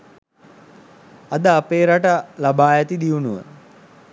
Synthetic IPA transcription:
ad̪əapeːɾaʈalabaːjat̪id̪iunuʋə̰

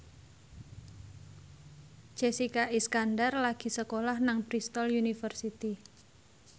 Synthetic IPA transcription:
d͡ʒ̥esikaʔiskanɖarlaɡ̥i̤səkolahnaŋpɾist̪ɔljunifərsit̪i

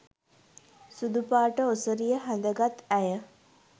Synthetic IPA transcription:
sud̪upaːʈəosəɾijəɦænd̪əɡat̪æjə

